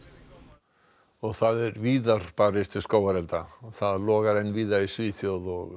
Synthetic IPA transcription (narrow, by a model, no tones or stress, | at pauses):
ɔɣθaðɛɾviːðaɾ̥paɾɪst̪ɪskoːwaɾɛlt̪aθaðlɔːɣaɾejnviːðaisviːθjɔðɔɣ